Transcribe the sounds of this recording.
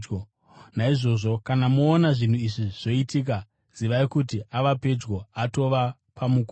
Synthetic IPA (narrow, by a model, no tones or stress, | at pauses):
naiʐo̞ʐo̞kanamoːnaʐin̤uiʐiʐ̥o̞itik̬a | z̥iʋaikut̬iaʋape̞d͡ʒɡo̞ato̞ʋa | pamuk